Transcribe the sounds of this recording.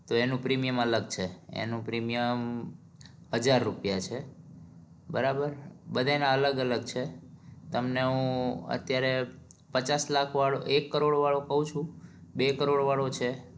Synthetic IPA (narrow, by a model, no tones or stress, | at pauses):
t̪oenũpɾimijəmələɡ̚t͡ʃʰeḛnũpɾimijəm | həd͡ʒaɾːupjat͡ʃʰe | bəɾabəɾbəd̪ʱaenaələɡələɡt͡ʃʰet̪əmneɦũə̰t̪jaɾe | pət͡ʃaslakʰʋaɭo̰ʔekːəɾoɽʋaɭokəɦũt͡ʃʰũbekəɾoɽʋaɭot͡ʃʰe